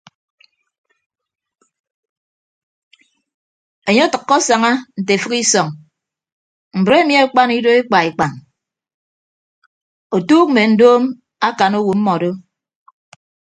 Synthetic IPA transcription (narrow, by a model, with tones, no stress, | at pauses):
e˨ɲe˦tɨ˨kːɔ˦sa˨ŋa˦n̩˨t̬e˨fɨ˦ki˦sɔ˨ŋ | m̩˨bɾe˦mi˦a˦k͡pa˦ni˦do˦e˦k͡pa˨i˨k͡pa˨n | o˨tuː˦k̚m̩˨me˨n̩˨doː˦m | a˦ka˨no˦wu˨m̩˦mɔ˨do˦